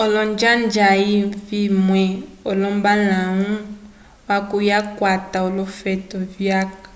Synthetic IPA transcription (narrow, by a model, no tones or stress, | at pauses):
ɔlɔnd͡ʒand͡ʒaivimwɛɔlɔmbanaŋũ | wakujakwataɔlɔfɛtɔvjakḁ